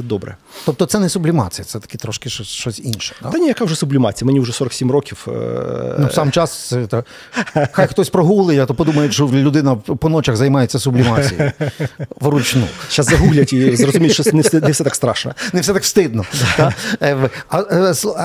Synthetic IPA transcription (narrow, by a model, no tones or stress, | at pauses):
ɛd̪ɔbɾɛ̰ | t̪ɔp̚t̪ɔt̪sɛnɛsʊblʲɪmɑ̰t͡sʲijɐt̪sɛt̪ɐ̥kʲit̪ɾɔʃkɪʃt͡ʃɔsʲʃt͡ʃɔsʲinʃɛ̥t̪a̰nʲijɐkaʊwʐɛsʊblʲɪmɑt͡sʲijɐmɛnʲiʊʐɛsɔɾɐksʲimrɔkʲiw | nusɑmt͡ʃɑssɛt̪ | xajxt̪ɔsʲpɾɔɦulˠɪjat̪ɔpɔd̪umɐjʊʃɔlʲʊd̪ɪnɐpɔnɔt͡ʃɐɣzɐjmɑjet͡sʲːɐsʊblʲimɑt͡sʲḭji | ʋɾʊt͡ʃnṵt͡ʃːaszɐɦuɦlʲɐtʲizrɔzʊmʲilʃt͡ʃɔnɛfɛɛfsɛt̪akst̪ɾɑ̰ʃnɐ̰nɛwsɛt̪ɑkst̪ɪd̪̚nɔt̪a | ɐs